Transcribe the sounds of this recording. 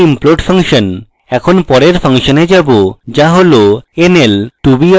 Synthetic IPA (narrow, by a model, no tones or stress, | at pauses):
imploʈfʰaŋʃon | ɛkʰonpɔɾeɾfʰaŋʃoned͡ʑabod͡ʑaɦoloenelʈubi